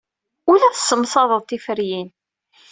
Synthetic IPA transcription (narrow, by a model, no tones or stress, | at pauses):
ʊlæθəsːəmsˤɑðˤəðˤt̪ifəɾjin